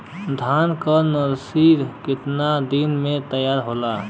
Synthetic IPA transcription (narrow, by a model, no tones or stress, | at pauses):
d̪ʱaːnkənəɾsiɾkɪt̪nad̪inmẽt̪əjaːɾɦoːlaː